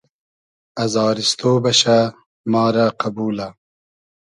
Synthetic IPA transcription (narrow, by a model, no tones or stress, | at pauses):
ɐzɑːɾist̪oːbɐɕa | mɑːɾaqabuːla